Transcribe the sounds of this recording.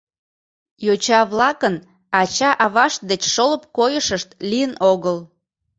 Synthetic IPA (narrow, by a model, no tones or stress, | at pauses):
jot͡ɕɑβlɑkən | ɑt͡ɕɑʔɑβɑʃ̚d̪et͡ɕʃoləp̚kojəʃəʃt̪lijənoɣəl